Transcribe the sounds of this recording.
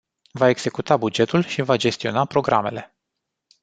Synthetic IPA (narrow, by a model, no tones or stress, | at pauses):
vae̞ɡz̥e̞kut̪abud͡ʒe̞t̪ulʃivad͡ʒe̞st̪io̞napɾo̞ɡɾa̰me̞̰le̞